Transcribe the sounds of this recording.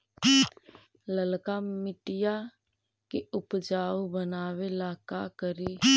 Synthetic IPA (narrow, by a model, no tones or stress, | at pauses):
ləlkamɪʈɪja | keʊpd͡ʒaːbənaːwelaːkakəɾi